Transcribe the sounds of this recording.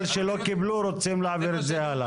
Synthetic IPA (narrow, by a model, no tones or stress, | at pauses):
lʃelo̞kibluɾot͡simlaʕaviɾet̪zehala